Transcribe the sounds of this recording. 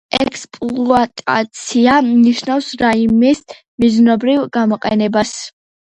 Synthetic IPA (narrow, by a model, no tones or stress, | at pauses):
ɛkʰspʼllˠuat̪ʼa̰t̪sʰianiʃnafsɾaimɛs | miznɔbɾivɡ̥amɔqʼɛnɛbas